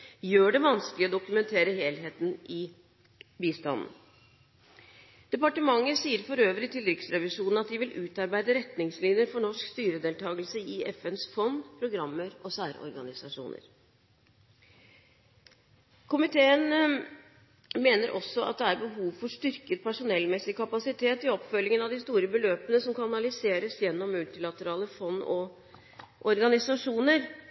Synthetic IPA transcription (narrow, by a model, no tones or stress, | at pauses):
jøːɖɛʋɑnskəlɪɔd̪ʊkʉmɛnt̪ʰeːɾəɦeːlɦeːt̪nʔɪ | biːst̪ɑ̰nn̩ | d̪̥ɛpɑʈəmɑŋːəsiːəɾfɔɾøːʋəɾɪt̪ʰɪld̪ɾɪksɾɛʋɪʂuːnn̩ɑt̪̚d̪ɪʋɪlʔʉːt̪ɑɾbæɪd̪əɾɛt̪nɪŋsliːnjəɾfɔɳɔʂkst̪yːɾəd̪eːlt̪ʰɑːɡəlsəɪʔɛfɛnsfɔnd̪pʰɾʊɡɾɑmːəɾɔsæːɾɔ̰ɾɡɑnɪsɑʂṵːnə̰ɾ | kʰʊmɪt̪ʰeːən | meːnəɾʔɔsːɔɑ̰t̪̚d̪ɛæɾbəɦuːʋfɔʂt̪ʏɾkət̪̚pʰæʂʊnɛlmɛsːɪkʰɑpɑsɪt̪ʰeːt̪ɪɔpfœlːɪŋənɑʋd̪ɪst̪uːɾəbəløːpənəsɔmkɑnɑnɑlɪseːɾəsjɛnːɔmːʉlt̪ɪlɑt̪əɾɑːləfɔnːɔ̰ | ʔɔɾɡɑnɪsɑʂuːnəɾ